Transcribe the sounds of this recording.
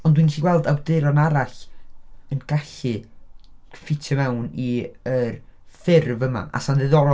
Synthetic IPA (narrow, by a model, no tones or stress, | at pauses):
ɔndwinɡɪɬiɡwɛlˠdawdɪɾɔnaɾaɬ | ənɡ̥aɬɨ | fɪtʰɔmɛwniərfɪrvəma̰ʔa̰sanðɨðɔɾɔ